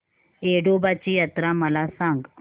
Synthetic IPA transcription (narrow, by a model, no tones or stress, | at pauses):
eɖobat͡ɕiːjət̪ɾaməlasãŋɡ